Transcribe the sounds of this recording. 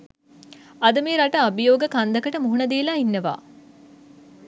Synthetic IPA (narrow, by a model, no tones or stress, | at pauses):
ɐd̪əmeːɾaʈəabijoːɡəkand̪ɐkəʈəmuɦunɐd̪eːlaːinːɐʋa̰ː